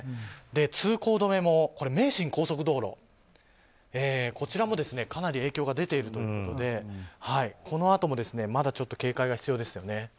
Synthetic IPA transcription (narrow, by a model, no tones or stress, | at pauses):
d̪e̞t͡sɨːko̞ːd̪o̞me̞mo̞ko̞ɾe̞me̞ːɕĩŋko̞ːso̞k̬ɯ̟d̪o̞ːɾo̞̰ | eːko̞t͡ɕiɾamo̞d̪e̞sɨne̞kanaɾʲie̞ːkʲo̞ːɡad̪e̞t̪e̞iɾɯ̟t̪o̞jɯ̟ːko̞t̪o̞d̪e̞haikʰo̞no̞at̪o̞mo̞d̪e̞sɨne̞mad̪at͡ɕo̞t̪ːo̞̥ke̞ːkaiɡaçi̥t͡sɨjo̞ːd̪e̞sɨjo̞ne̞